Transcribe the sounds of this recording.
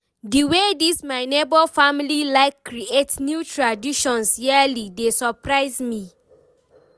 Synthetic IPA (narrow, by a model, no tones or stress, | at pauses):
diwedismaɪnebɔfamililaɪkːɾietnjutɹadiʃɔ̃nsjɛlidesɔpɹaɪzmi